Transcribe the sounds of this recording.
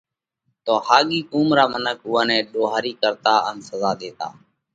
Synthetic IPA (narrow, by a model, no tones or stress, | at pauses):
t̪oːhaːɠiːkuːmɾaːmənək̚ʰʊãːnɛ̃ːɗoːɦaːɾiːkəɾt̪aːənsəzaːɗ̪eːt̪a̰ː